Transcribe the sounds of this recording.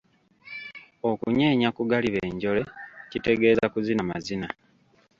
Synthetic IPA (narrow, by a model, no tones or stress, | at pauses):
o̞kuɲe̞ːɲakuɡaliβe̞ːɲɟo̞le̞cite̞ɡe̞ːzakuzinama̰zina